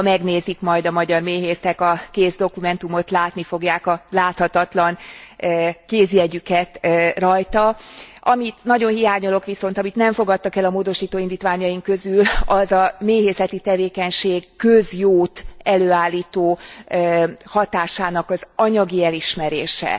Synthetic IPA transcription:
mɛɡneːzikmɒjd̪ɒmɒɟɒrmeːɦeːsɛkɒkeːzd̪o̞kumɛnt̪umo̞t̪laːt̪nifo̞ɡjaːkɒlaːt̪hɒt̪ɒt̪lɒn | keːziɛɟykɛt̪rɒjt̪ɒɒmit̪nɒɟo̞nɦijaːɲolo̞kʋiso̞nt̪ɒmit̪nɛɱfo̞ɡɒt̪ːɒkɛlɒmoːd̪o̞ʃiːt̪oːind̪iːt̪ʋaːɲɒjiŋkø̞zylɒzɒmeːɦeːsɛt̪it̪ɛveːkɛɲʃeːɡkøzjoːt̪ɛløːaːlːiːt̪oː | hɒt̪aːʃaːnɒkɒzɒɲɒɡiɛliʃmɛɾeːʃɛ̰

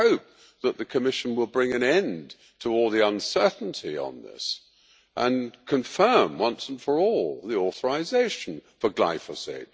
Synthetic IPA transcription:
hoʊp̚ | ðət̪̚ðɨkʰɨmɪʃn̩wəlˠbɹɪ̃ŋɨ̃nɛ̃n | tʰəɔlˠðiʌ̃nsɜ˞ʔn̩tʰḭə̰̃nðɪ̰s | ʔə̃nkʰɨ̃ɱfɜ̃˞mwʌ̃nsn̩fə˞ɔlˠðiɔˑθə˞ɪzeɪʃn̩fə˞ɡla̰ɪfəsḛɪt̚

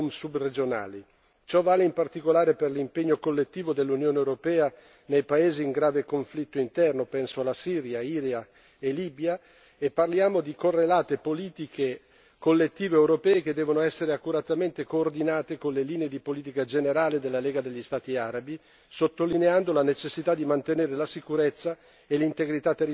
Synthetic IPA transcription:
msubred͡ʒona̰ːli | t͡ʃɔvaːleimpart̪ikolaːɾeperlimpeɲːokolːet̪ːiːvod̪elːunjoːneewɾopɛːa | nejpaeːziːŋɡɾaːvekoɱflit̪ːoint̪ɛrnopɛnsoalasiːɾjaiːɾja | eliːbja | epːarljaːmod̪ikorːelaːt̪epoliːt̪ikʰe | kolːet̪ːiːveewɾopɛːeked̪ːɛːvonoɛsːeɾeakːuɾat̪ament̪ekoːrd̪inaːt̪ekonleliːneed̪ipoliːt̪̬ikad͡ʒeneɾaːled̪elːaleːɡad̪eʎːist̪aːt̪iaɾabi | sot̪ːolineand̪olanet͡ʃesːit̪ad̪ːimant̪eneːɾelasikuɾet̪sːa | elint̪eɡɾit̪at̪ːeri

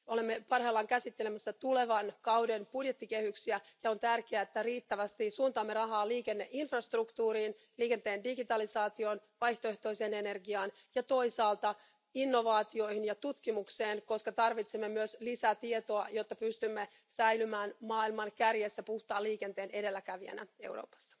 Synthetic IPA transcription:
o̞lemːepɑrheːlːɑŋkæsit̪ːelemæsːæt̪ule̞ʋɑnkɑwdenpudjet̪ːike̞hyksiæjɑo̞nt̪ærkeæet̪ːæriːt̪ːæʋæst̪isuːnt̪ɑːmːerɑɦɑːliːke̞nːeʔinfrɑst̪rukt̪uːɾiːn | liːke̞nt̪e̞ːndiɡit̪ɑlisɑːt̪io̞nʋɑjht̪oe̞ht̪o̞ise̞ːne̞ne̞rɡiɑːn | jɑt̪o̞isɑːlt̪ɑ | inːo̞ʋɑːt̪io̞jhinjɑt̪ut̪kimukseːnko̞skɑt̪ɑrʋit̪semːemyøslisæt̪iet̪o̞ɑjo̞t̪ːɑpyst̪ymːe | sæjlymæːnmɑːilmɑnkærjesːæpuht̪ɑːliːke̞nt̪eːne̞de̞lːækæʋiæ̰næ̰e̞wro̰ːpɑ̥sːɑ̥

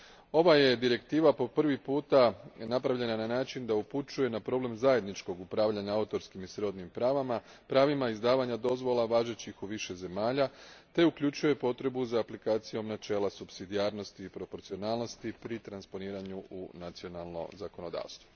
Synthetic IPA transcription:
o̞ʋaje̞d̪iɾe̞kt̪iːʋapo̞pr̩ʋipuːt̪anapɾaʋʎe̞nananaːt͡ʃind̪auput͡ʃuje̞napɾo̞ble̞mzaje̞d̪nit͡ʃko̞ɡupɾaːʋʎaɲaaut̪o̞ɾskimisɾo̞d̪nimpɾaːʋama | pɾaːʋimaizd̪aːʋaɲad̪o̞zʋo̞lˠaʋaːʒet͡ɕixuʋiʃe̞ze̞maːʎat̪e̞ukʎut͡ʃuje̞po̞t̪ɾe̞buzaːplikaːt̪sijo̞mnat͡ʃe̞ːlasupsid̪iaːɾno̞st̪iːpɾo̞po̞ɾt̪sio̞naːlˠno̞st̪ipɾit̪ɾanspo̞niːɾaɲuunat̪sio̞nalˠno̞̰zako̞no̞d̪a̰ːʋst̪ʋo

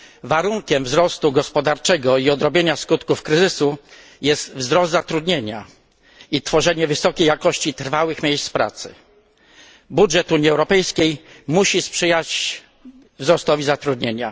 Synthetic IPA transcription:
vaɾuŋkʲɛmvzɾɔst̪uɡɔspɔd̪aɾt͡ʂɛɡɔiɔd̪ɾɔbʲjeɲaskut̪kufkɾɘzɘsu | jɛst̪vzɾɔzd̪zat̪ɾud̪ɲeɲa | it̪fɔʐɛɲɛvɘsɔkʲejakɔɕt͡ɕit̪ɾfawɘxmʲjejst̪spɾa̰t̪sɘ̥̰ | budʐɛt̪uɲiɛwɾɔpɛjskʲejmuɕispʂɘjat͡ɕ | vzɾɔst̪ɔvʲizat̪ɾud̪ɲeɲa̰

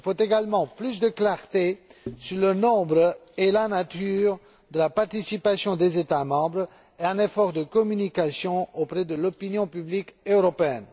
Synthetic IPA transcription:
ilfot̪eɡalmɑ̃plys̬d̪əklaʁt̪esyʁlənɔ̃bʁelanat̪yʁ | d̪əlapaʁt̪isipasjɔ̃d̪ezet̪amɑ̃bʁ | eɛ̃nefɔʁd̪əkɔmynikasjɔ̃opχɛd̪əlɔpinjɔ̃pyblikøʁɔpeɛn

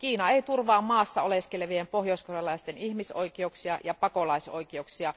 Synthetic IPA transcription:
kiːnɑeit̪urʋɑːmːɑːsːɑoleskeleʋiempohjoiskorelːɑist̪enihmiso̰ikieuksiɑ̰jɑpɑkolɑiso̰ikiouksiɑ

